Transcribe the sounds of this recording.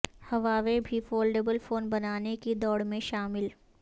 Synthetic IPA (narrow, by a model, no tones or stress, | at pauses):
hɐʋaːʋebʱifoːlɖeːbəlfoːnbɐnaːnekid̪ɔːɽmẽʃaːmɪl